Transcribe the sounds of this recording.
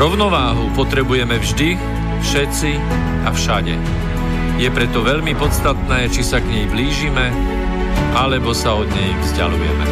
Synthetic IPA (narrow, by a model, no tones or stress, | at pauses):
ɾɔʊnɔʋaːɦupɔt̪ɾɛbujɛmɛvʒd̪i | fʃɛt͡si | afʃaɟɛ̰ | jɛpɾɛt̪ɔʋɛʎmipɔt̪t͡st̪at̪nɛːt͡ʃisaɡɲɛjbliːʒimɛ | ʔalɛbɔsaɔd̪ɲɛjvzɟa̰lṵjɛ̰mɛ̰